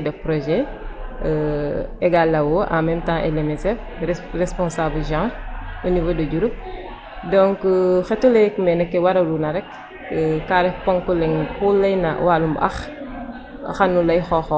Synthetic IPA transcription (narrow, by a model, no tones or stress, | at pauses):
dɐpɾɔʒɛ | ɛɡalːɐwoʔamɛmtãŋʔɛ̰lɛmɛsɛf | rɛspɔ̃nsabəʒãːonivoːdəɟuɾup̚ | dɔ̃ŋkxɛtːulɐjkmɛnɛkːɛwɐɾɐlunɐɾɛkː | kaɾɛfpɔŋkɔlɛŋpulɐjnɐ̰walumbɐ̰x | xɐnːulɐjxɔxɔ